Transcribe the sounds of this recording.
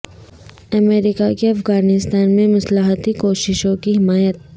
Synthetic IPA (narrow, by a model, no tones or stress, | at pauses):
ɐmeːɾɪkakeɐfɣaːnɪst̪aːnmẽmɐslaɦət̪ikoːʃɪʃõkiɦɪmaːjət̪̚